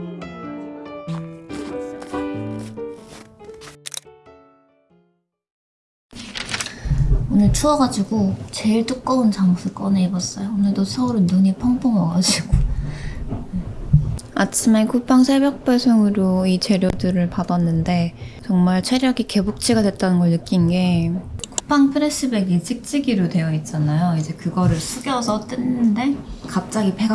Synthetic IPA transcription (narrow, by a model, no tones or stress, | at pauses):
onɯɭt͡ɕʰuʌɡad͡ʑiɡot͡ɕe̞ɭt͈uk̚k͈ʌunt͡ɕaŋsʰɯk͈ʌneibʌs͈ʌjonɯɭdosʰʌuɾɯnːuɲipʰʌŋpʰoŋʌɡad͡ʑiɡ̥o | mat͡ɕʰimankupʰaŋsʰeɭbjʌk̚p͈esʰoŋɯɾoit͡ɕe̞ɾjodɯɾɯɭpadʌnːɯnde̞t͡ɕʌŋmaɭt͡ɕʰwe̞ɾjʌɡike̞buk̚t͡ɕ͈ʰiɡadwe̞t̚t͈anɯnɡʌɭnɯk͈inɡe̞kupʰaŋpʰɯɾes͈ɯbe̞ɡit͡ɕʰik̚t͡ɕ͈iɡiɾodwe̞jʌit̚t͡ɕ͈anajoid͡ʑe̞kɯɡʌɾɯɭsʰuɡjʌsʰʌt͈ɯnːɯnde̞kap̚t͡ɕ͈aɡipe̞ɡa